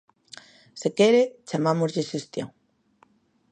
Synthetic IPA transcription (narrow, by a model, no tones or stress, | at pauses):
sekeɾet͡ʃamamozʎeʃest̪jo̰ŋ